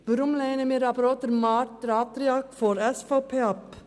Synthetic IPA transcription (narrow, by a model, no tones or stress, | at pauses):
b̥ɾʊmleɪnəmeɾɑpɾɑt̪əɾmɑɾʈ̪̚ɾɑt̪ɾɪɑɾkfɔɾɛsfopʰeːɑp